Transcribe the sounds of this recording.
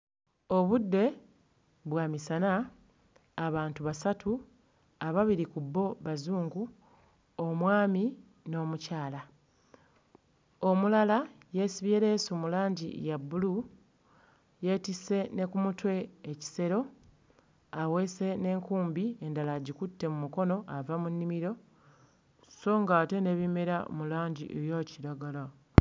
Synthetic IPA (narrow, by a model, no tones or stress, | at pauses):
o̞βudːe̞ | βwaːmisanaː | βaːntuβasatu | aβaβiɾikubːo̞βazuːŋɡu | omwaːmi | no̞ːmucaːla | o̞mulalaje̞ːsiβjeːɾe̞ːsumulaːɲɟḭjabːulu | je̞ːtise̞ne̞kumutwe̞ːci̥se̞ɾo̞ | awe̞ːse̞ne̞ːŋkuːmbie̞ndalaɟikutːe̞mumuko̞no̞ʔavamunːimiɾo̞ | so̞ŋɡaːte̞ne̞βimeɾa̰mulaːɲɟḭʔejo̞ːciɾaɡala